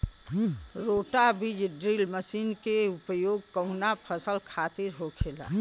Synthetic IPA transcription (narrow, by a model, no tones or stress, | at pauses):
ɾoːʈabid͡ʒɖɾilməsiːnkeʊpəjoːɡ̚kəʊnapʰəsəlkʰaːt̪iɾɦokʰeːla̰